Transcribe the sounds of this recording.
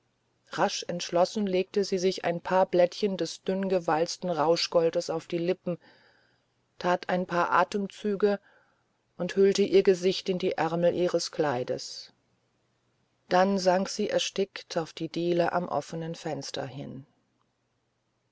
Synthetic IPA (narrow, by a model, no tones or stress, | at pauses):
ʁaʃɛntʃlɔsn̩leːk̚təziːzɪça̰ɪnpʰaːɐblɛtçəndɛsd̥ʏnɡəvalt͡stn̩ʁaʊʃɡ̥ɔldəsaʊfd̥iːlɪpm̩ | tʰaːtʰaɪnpʰaːɐʔa̰ːtəmt͡syːɡə | ʔʊnthʏltəʔiːɐɡəzɪçtɪndiːʔɛɐml̩ʔiːʁəskʰl̥aɪdə̰s | d̥anzaŋkz̥iːʔɛɐʃtɪktʰaʊfd̥iːdiːləʔa̰mʔɔ̰fənənfɛnstʰɐ̰hɪn